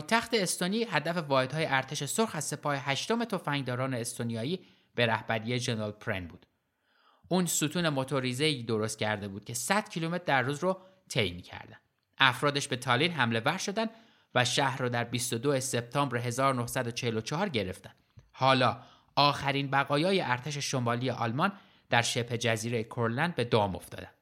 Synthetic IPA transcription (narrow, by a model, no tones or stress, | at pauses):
jt̪ʰæxt̪eːst̪oniːɦæd̪æfe̞vɒːhe̞d̪hɒːjeʔæɾt̪ʰe̞ʃe̞soɾxæzse̞pʰɒːheɦæʃt̪ome̞t̪ʰo̞fæŋd̪ɒːɾɒːne̞ːst̪onijɒːiː | b̥e̞ɾæhbæɾijed͡ʒenɾɑlpʰɾḛnbṵːd̪̥ | ʔuːnsuːt̪ʰuːne̞mot̪ʰoɾizeiːd̪o̞ɾost̪̚cʲʰæɾd̪e̞buːd̪̚cʰe̞sæd̪̥cʰilume̞t̪ʰd̪æɾruːzro | t̪ʰejmiːcʰæ̰ɾd̪æ̰nd̪ʔæfɾɒːd̪eʃbe̞t̪ʰɒːliːnɦæmle̞væɾʃo̞d̪ænd̪ | væʃæhɾɔːd̪æɾbist̪o̞d̪oese̞p̚t̪ʰɒːmbɾeɦe̞zɒːɾono̞hsæd̪o̞t͡ʃʰehelo̞t͡ʃʰɒhɒːɾɟe̞ɾe̞ft̪æ̥nd̪hɒːlɒː | ɒːxæɾiːnbæɣɒːjɒːjeʔæɾt̪ʰe̞ʃ̬eʃomɒːlijeʔɒ̰lmɒn | d̪̥æɾʃe̞phe̞d͡ʒæziːɾe̞jekʰoɾlænd̪̚be̞d̪ɒːmo̞̰ft̪ɒ̰ːd̪ænd̪̥